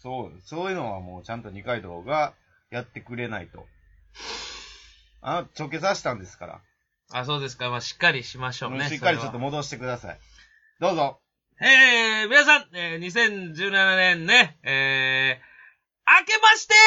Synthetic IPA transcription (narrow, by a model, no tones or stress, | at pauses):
soːsoːjɯ̟no̞βamo̞ːt͡ɕãnt̪o̞ɲ̟ikaid̪o̞̰ːɡa | jat̪ːe̞kɯ̟ɾe̞na̰it̪o̞̰ | a̰not͡ɕo̞ke̞s̬aɕi̥t̪ãnd̪e̞sɨ̥kaɾa̰ | as̬o̞ːd̪e̞s̬ɨ̥kamaɕi̥kːaɾʲiɕimaɕo̞ːneiokːaɾit͡ɕot̪ːomo̞d̪o̞ɕi̥t̪e̞kɯd̪asa̰ḭ | d̪̥o̞ːzo̞ | eːmʲinas̬ãŋeːɲ̟is̬ẽ̞ɲ̟d͡ʑɨːnananẽ̞nːe̞eː | ake̞maɕi̥t̪e